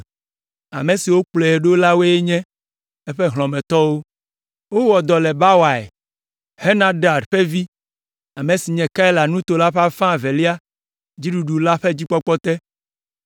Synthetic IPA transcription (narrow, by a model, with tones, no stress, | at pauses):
a̰˨me˨si˨wo˦k͡ple˨e˨ɖo˦la˦we˦e˦ɲɛ̃˦ | e˦ɸe˦ɦlɔ̃˨mɛ̃˨t̪ɔ˦wo˦ | wo˦wɔ˨d̪ɔ˨lɛ˨ba˦wa˨ḛ˨ | he˦nã˦ɖa˨ɖɸe˦vi˦ | a˨mẽ˨si˨ɲɛ̃˨ka˦ɛ˦la˨nũ˦t̪o˨la˦ɸa˦fã˦˨ve˨li˦a˦ | d͡ʑi˦ɖu˨ɖu˨la˦ɸe˦d͡ʑi˦k͡pɔ˦k͡pɔ˦t̪ɛ˦